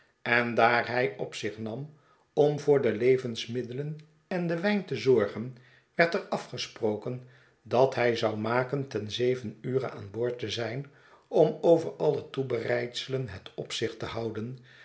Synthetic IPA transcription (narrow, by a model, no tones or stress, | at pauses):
ɛndaːɹɦɛjɔpsɪχnɑm | ɔmvʊːɹdəlejvənsmɪdələn | ɛndəʋɛjntəzɔɹχən | ʋɛɹtərɑfχəsprowkən | dɑtɦɛjzɑwmaːkəntɛnzejvənyːrə̰a̰ːnbʊːɹtəzɛjn | ɔmowvəɹɑlˠətubərɛjtsələnɦətɔpsɪχtəɦɑwdən